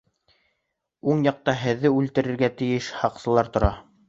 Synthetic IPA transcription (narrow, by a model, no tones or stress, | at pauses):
uɴjɑq̚t̪ɑɦɘ̆ðːɘʉlt̪ɘ̆ɾɘ̆ɾɡæt̪ɘ̆jɘʃhɑqsɤ̆lˠɑɾt̪ŏɾɑ